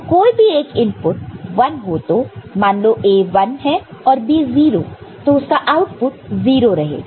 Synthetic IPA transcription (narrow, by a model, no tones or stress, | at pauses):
koːibʱieːkɪ̃mpʊʈ̚ʋɐnɦoːt̪oːmaːnloʔeːʋɐnɦɛɔːɾbiːziːɾo̰ːt̪oʊskaʔaːʊʈpʊʈ̚ziːɾoɾɐɦḛː